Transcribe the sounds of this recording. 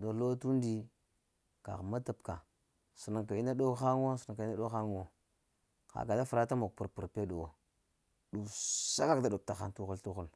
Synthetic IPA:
do˨lo˦tu˦ndi˦ | ka̰˨ɣma˦ta˨pka˨ | su˨na˨ŋka˨i˦na˦do˦xa˦ŋ˦o˦su˨na˨ŋka˨i˦a˦ɗo˦xa˦ŋ˨o˨ | xa̰˨ka˨da˦fu˨ɾa˦ta˦mo˨k̚pu˨ɾpu˨ɾpe˦do˨wo˨ | du˨sa˦ka˦kda˨do˨p̚ta˨xa̰˨ntu˦xu˦ltu˦xu˦l

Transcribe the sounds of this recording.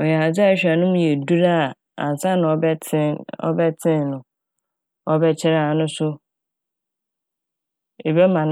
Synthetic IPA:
ɔ˨ja˨d͡zɪ˦a˦ɕᶣa˨nʊ̃˦m˦je˨du˦ɾa˦˨ | ã̰˨n˨sa˦nʊ̃˨ɔ˨˦ɪ˦ɔ̰˦bɛ˦tʰɪ̃˦nnʊ̃˨ | ɔ˦bɛ˦t͡ɕʰɪ˦ɾa˨nʊ̃˦sʊ˦ | e˨bɛ˦mã˨n

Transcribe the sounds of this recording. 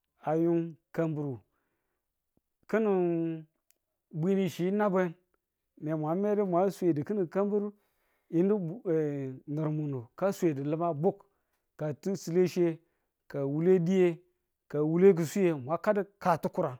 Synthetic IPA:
a˨ju˦nka˨mbu˨ɾu˨ | kɨ˦ni˨ | bʷi˦ni˦˨ʃi˨˦na˦be˦n | ne˨mʷ˨a˨˦me˦di˦mʷ˨a˨˦se˨di˨ki˦ni˨ka˦mbu˦ɾu˦ | i˦ndi˦˨ | nɨ˨ɾmu˨nu˨ka˦sʷe˨di˨lɨ˦ma˦bu˦kː | a˨ti˦si˨le˦ʃe˦ | ka˨wu˦le˦di˦je˦ | ka˨wu˦le˦k̬i˨su˦je˦mʷ˨a˨˦ka˦di˦ka˨tu˦ku˦ɾa˨

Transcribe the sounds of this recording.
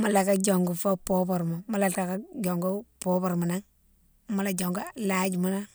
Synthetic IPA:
mu˦la˨ka˦d͡ʒo˨ŋɡu˨fo˦po˦po˨ɾma˨mu˦la˨ka˨ka˦d͡ʒo˨ŋɡu˦po˦po˨ɾmu˨na˦ŋ | mu˦la˨d͡ʒo˨ŋɡo˦la˨d͡ʒi˨mu˦na˦

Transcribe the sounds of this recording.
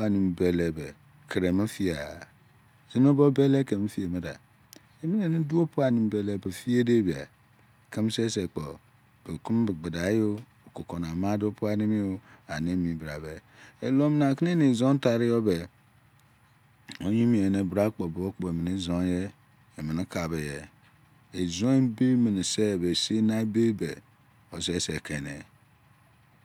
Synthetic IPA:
a˨ni˨m˨be˨le˨be˨ | kʰe˨ɾe˨ma˦fi˦a˨ | zi˦n˦o˦bo˦be˦le˦ke˨m̩˦fi˦e˨me˦da̰˨ | e˨mi˦ne˨ne˦du˦o˦pu˦a˦˨ni˨m˦be˨˦le˦be˨fi˦e˦de˦bi˨a̰˨ | ki˦m˦se˦se˨k͡po˨ | b̥e˨ku˦m˦bɡ͡be˨da˨˦jo˦ | o˨ko˨ko˨n˨a˨ma˦do˦pu˦a˦ni˦mi˦o˦a˨ne˦mi˨bɾa˨be˨ | e˨lo˦m˦na˨ki˦n˦e˦ne˨zo˦n˦ta˨ɾi˦jo˦be˨ | o˦ɲi˦mi˨e˨ne˨bɾa˦k͡po˨bo˦k͡po˨e˨mi˨ne˦zo˦je˦ | e˨mi˨n˦ka˨be˨je˨ | e˨zo˦e˦be˦mi˨n˨se˦˨be˨se˦na˦be˦be˨ | o˨se˦se˨ke˨nḛ˨

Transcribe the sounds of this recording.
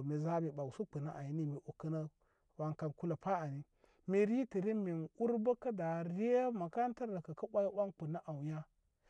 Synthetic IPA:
me˨za˦mi˨ɓa˨wu˨su˦k͡pu˨na˦ʔa˨ji˦ni˦mi˨ʔo˨kə˦na˦ | wa˨ŋka˨nku˦la˨pa˦a˨ni˦ | me˨ɾi˦ti˨ɾi˦me˨nu˦ɾba˦ka˦da˨ɾi˦a˦ma˨ka˦n˦ta˦ɾda˨ka˨ka˦ɓa˦ji˦wʷa˦nk͡pu˨na˦ʔa˨wja˦

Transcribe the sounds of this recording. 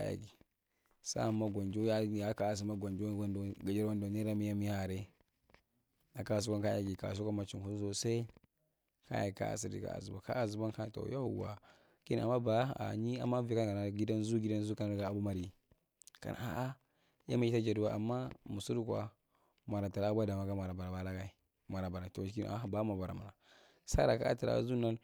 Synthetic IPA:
a̰˦ja̰˨ɡi˨ | sa̰˦a˨mːa˦ɡʷa˨nd͡ʒo˦ja˦ja˨˦ka˨a˨s̬i˨ma˦ɡa˨nd͡ʒo˦a˦ndo˨ɡa˨d͡ʒa˦ɾwa˦ndo˨ni˦ɾa˦mi˦ja˦mi˦ha˨ɾe˦ | na˨ka˦˨s̬u˦ka˦nka˦ja˨ɡi˨ka̰˨s̬u˦ka˦ma˨t͡ʃi˨ku˦u˦so˨sa˦ | ka̰˦ja̰˨ka̰˦a̰˨si˨dḭ˨ka̰˨a̰˨zu˨ba˨ka̰˦a˨zu˨ba˦ka˦˨to̰˨jo˦˨wa̰˨ | ki˦n˨a˨mːa˦ba˨˦˨a̰˨ɲi˦a̰˨mːa˦vi˨˦a˦n˨ka˨na˨˦ɡi˦da˦nzu˦ɡi˦da˦n˦zu˦ka˦na˦ɡa˦a˨bu˦ma˨ɾi˨ | ka̰˨nʔa̰˨a̰˨ʔa˦ | ja̰˦ma˨i˦ta˦d͡ʒa˨du˦wa˦˨ʔa˨mːa˦mu˨su˦ɾu˦kwa̰˨ | ma˨ɾa˨ta˨ɾa˨a˦bʷda˨ma˨ɡa˦ma˨ɾa˨ba˨ɾa˨ba˦la˦ɡa˦i˦ | ma˨ɾa˨ba˨ɾa˨to˨˦ki˦n̰˨a̰˦˨ba˦ma˨ba˨ɾa˨ma˨a˨ | sa˦da˨ka̰˦a̰˦ta˨ɾa̰˨˦zu˦na˦l

